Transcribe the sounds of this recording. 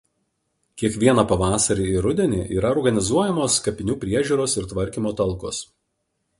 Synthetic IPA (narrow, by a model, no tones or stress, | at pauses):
kʲiɛkʋʲiɛnɐpɐʋɑːsɐɾʲiːɪɾʊd̪ʲɛnʲiːʔiːɾɐɔɾɡɐnʲɪzuɔjɛmoːskɐpʲɪnʲuːpʲɾʲiɛʒʲuːɾoːsɪɾt̪ʋɐɾʲkʲiːmoːt̪ɐlˠkos